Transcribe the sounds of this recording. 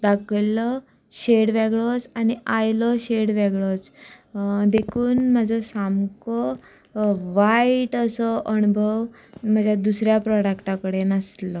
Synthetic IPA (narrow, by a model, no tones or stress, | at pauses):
d̪akʰjlɔ | ɕeɽʋeɡɭɔt͡saniajlɔɕeɽʋeɡɭɔt͡s | d̪ekʰuːnməd͡zʱɔsamkɔ | ʋaiʈəsɔʔəñubʱəʋ | m̤əd͡ʑʱjad̪usɾjapɾɔɽəkʈãkəɽenəslɔ